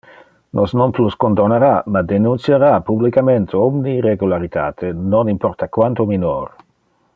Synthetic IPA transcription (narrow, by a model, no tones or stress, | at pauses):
nʔosnonpluskond̪oneɾamad̪enunt̪sjeɾapublikament̪ʰeɔmnireɡulaɾit̪a̰ːt̪ʰenonimpɔrt̪akwant̪omino̰ːɾ